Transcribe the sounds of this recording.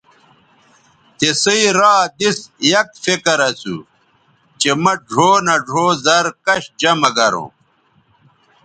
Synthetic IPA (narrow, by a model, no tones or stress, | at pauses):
t̪esəiɾaːd̪isjɐkfekɐɾɐsṵ | t͡ɕemɐɖʱoːnɐɖʱoːzɐɾkɐɕd͡ʑɐmɐɡɐɾṵ̃ː